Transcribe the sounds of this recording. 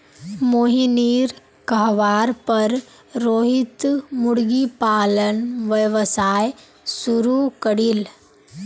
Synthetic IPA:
moːɦiniːɾ | kɐɦʋaːɾpɐɾ | ɾoːɦit̪mʊɽɡipaːlənʋəʋəsaːj | suɾukəɽil

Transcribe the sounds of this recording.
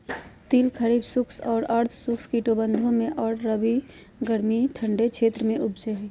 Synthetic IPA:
t̪ilkʰəɾiːbsʊkʰsɔːɾɐɾt̪ʰsʊkʰskiʈobə̃nd̪ʱõmẽʔɔːɾɾəbi | ɡəɾmiʈʰə̃ɳɖekʰʃʰeːt̪ɾəmẽʔʊbd͡ʒeɦɛː

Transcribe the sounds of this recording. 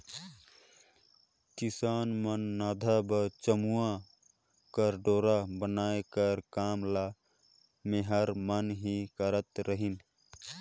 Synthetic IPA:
kisaːnmənːaːd̪ʱabət͡ʃəmuã | kəɾɖoːɾabənaːekəɾkaːmla | meɦəɾmənɦikəɾət̪ɾəɦin

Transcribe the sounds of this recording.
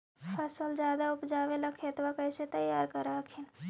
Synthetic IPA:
həsəld͡ʒad̪aupd͡ʒaʋeləkʰet̪ʋakəɪset̪əjːaɾkəɾakʰin

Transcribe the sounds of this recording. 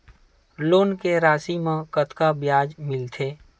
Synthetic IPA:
loːnkeɾaːsimãkət̪kabjaːd͡ʒmɪlt̪ʰeː

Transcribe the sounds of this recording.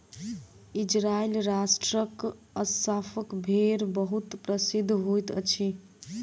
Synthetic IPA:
id͡ʒɾailɾasʈɾək | əsapʰəkbʱeɾbəɦut̪pɾəsid̪ʱːɦojt̪ə̰t͡ʃʰi

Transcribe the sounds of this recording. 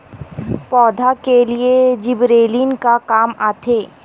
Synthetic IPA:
pɔːd̪ʱakelied͡ʒɪbɾeːlinkakaːmaːt̪ʰeː

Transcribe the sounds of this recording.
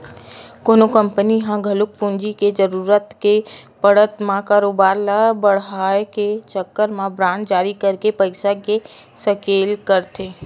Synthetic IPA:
koːnokə̃mpəniɦãɡʱəlʊk̚pʊ̃nd͡ʒiked͡ʒəɾuːɾət̪kepəɽ̤ət̪mãkaːɾoːbaːɾlabəɽ̤aːeket͡ʃəkːəɾmãbɾãːɳʈd͡ʒaːɾikəɾkepəɪsakesəkeːlkəɾt̪eː

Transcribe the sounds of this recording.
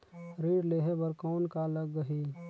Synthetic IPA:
ɾiːɾleːɦebəɾkɔːnkaləɡːəɦiː

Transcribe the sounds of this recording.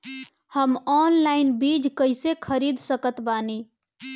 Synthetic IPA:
həmɔnlaɪnbid͡ʒkəɪsekʰəɾid̪ʱsəkət̪bani

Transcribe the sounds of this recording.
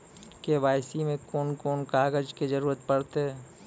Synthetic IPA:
keʋaːɪsimẽkoːnkoːnkaːɡəd͡ʒked͡ʒɐɾuːɾət̪̚pɐɽt̪eɦɛː

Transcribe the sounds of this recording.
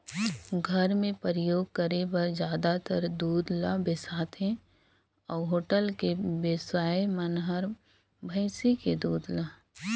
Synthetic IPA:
ɡʱəɾmẽpəɾəjoːɡ̚kəɾebəɾd͡ʒjaːd̪at̪əɾd̪uːd̪labɪsaːt̪ẽ | ɔːɦoːʈəlkebesaːemənɦəɾ | bʱəɪsiked̪uːd̪la

